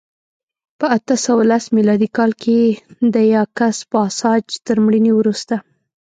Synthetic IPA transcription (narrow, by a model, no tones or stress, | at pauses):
pəat̪əsawalasmilɑd̪ikɑlkʰed̪əjɑkaspəɑsɑd͡ʒt̪əɾmɽiniwɾust̪a